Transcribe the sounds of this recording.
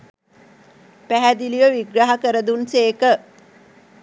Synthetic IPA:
pæɦæd̪iliʋəʋiɡɾaɦakəɾəd̪unseːkə

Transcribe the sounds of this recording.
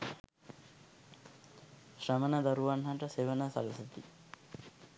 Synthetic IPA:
ɕrəmənəd̪aɾuʋanɦaʈəseʋənəsɐ̰ləsət̪i

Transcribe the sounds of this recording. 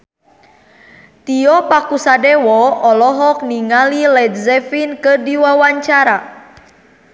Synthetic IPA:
t̪iɔpakusadɛwɔɔlɔɦɔk̚niŋalilɛd̪̚zɛfinkɨrdiwawaɲt͡ʃaɾa

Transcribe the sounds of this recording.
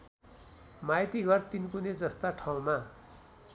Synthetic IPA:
majt̪iɡʌrt̪inkuned͡zʌst̪aʈʰaw̃ma

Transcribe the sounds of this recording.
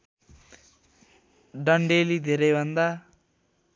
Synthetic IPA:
ɖʌɳɖelid̪ʱeɾʌjbʱʌnd̪a

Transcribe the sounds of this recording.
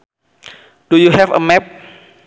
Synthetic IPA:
d̥ujuhɛvə̰mɛp̚

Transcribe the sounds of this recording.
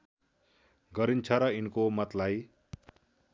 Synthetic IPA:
ɡʌɾint͡sʰʌɾʌinkomʌt̪laj

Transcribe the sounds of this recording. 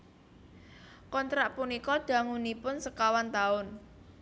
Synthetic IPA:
kɔnt̪ɾaʔpunikɔd̪̥a̤ŋunipʊnsəkawant̪aʊn

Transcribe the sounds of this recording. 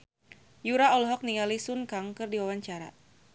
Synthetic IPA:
juɾaɔlɔɦɔk̚niŋalisunkaŋkɨrdiwawaɲt͡ʃaɾa̰

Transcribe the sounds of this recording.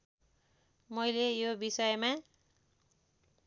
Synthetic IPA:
mʌjlejobisʌjma

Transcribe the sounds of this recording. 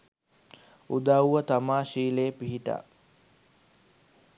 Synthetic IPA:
ud̪awːət̪amaːʃiːleːpiɦiʈa̰ː

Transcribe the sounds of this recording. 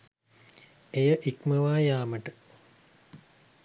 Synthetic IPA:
ejəʔikməʋaːjaːməʈə

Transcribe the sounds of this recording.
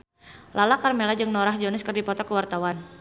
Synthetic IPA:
lalakarmelad͡ʒɨŋnɔɾahd͡ʒɔnɪskɨrdipɔt̪ɔkəwart̪awan

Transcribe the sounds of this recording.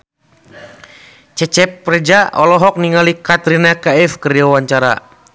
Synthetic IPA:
t͡ʃɛt͡ʃɛpːɾɛd͡ʒaʔɔlɔɦɔk̚niŋalikat̪ɾinakaɛfkəriawaɲt͡ʃaɾa̰

